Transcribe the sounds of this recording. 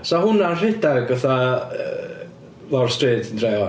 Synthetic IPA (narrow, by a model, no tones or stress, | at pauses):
sɔhʊnanr̥ɪdarɡəθa | lɔrstrɨːdəndrejɔ